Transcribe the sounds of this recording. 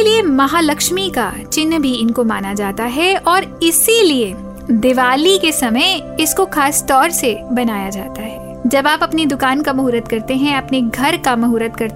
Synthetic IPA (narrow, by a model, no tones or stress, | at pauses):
eliemɐɦaːlɐkʃmika̰t͡ʃɪnːbʱiɪnkomaːnad͡ʒaːt̪aɦɛɔːɾɪsilie | d̪ɪʋaːlikesɐməɪɪskoxaːst̪ɔːɾsebɐnaːjad͡ʒaːt̪aɦɛː | d͡ʒɐbaːpɐpnid̪ʊkaːnkamɐɦuːɾət̪̚kɐɾt̪eɦɛ̃ɐpneɡʱɐɾkamɐɦʊːɾət̪̚kɐɾt̪